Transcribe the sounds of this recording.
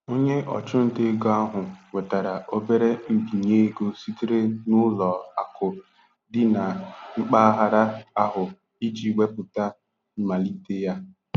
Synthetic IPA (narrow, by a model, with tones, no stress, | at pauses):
o˦ɲe˦ʔɔ̰˨t͡ʃʊ˦n̩˦de˦ɡa˦a˦ɦʊ˨we˨ta˨ɾa˨ʔo˦be˦ɾe˦m̩˨bi˨ɲe˦ɡo˦si˦ti˦ɾe˦nʊ˦lɔ˨a˨kʊ˨ | dɪ˦na˨ŋ͡m̩˦k͡pa˦ɦa˦ɾa˦a˦ɦʊ˨ | i˦d͡ʒi˦we˦pʊ˨ta˦ | ma˨li˦te˦ja˦